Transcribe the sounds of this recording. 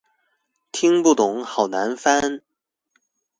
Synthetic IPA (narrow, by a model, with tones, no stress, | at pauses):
t̪ʰi˥ŋpu˥˩t̪ʊ˨˧˩ŋxɑ˨˩ʊna˧˥nfa˥n